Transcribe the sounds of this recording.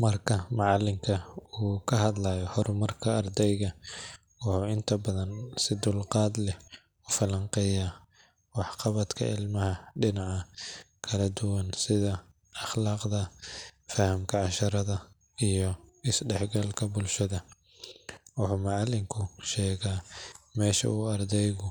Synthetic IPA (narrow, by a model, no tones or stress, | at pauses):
mɐrkʰɐmɑʕɑlɪŋkʰɐuːkʰɐɦɐd̪laːjɔhɔɾʊmɐrkʰɐːrd̪ɛjɣɐ | wʊħuːɪnt̪ʰɐbɐðɐnsɪd̪ʊlqɑːd̪lɛ | ʊfɐlɐɴqɛjaː | wɑħqɑβɐd̪kʰɐ̰ʔɪ̰lmɐhɐɖɪnɑʕɐ | kʰɐlɐd̪ʊwɐnsɪðɐ | ɐχlɑːqd̪ɐfɐhɐmkʰɐʕɑʃɐɾɐðɐ | ijɔɪsɖɛħɡɐlkʰɐbʊlʃɐðɐ | wʊħuːmaʕɑlːɪŋkʰʊʃɛːɣaːmɛːʃɐ̰ʔuːɐrd̪ɛjɣʊ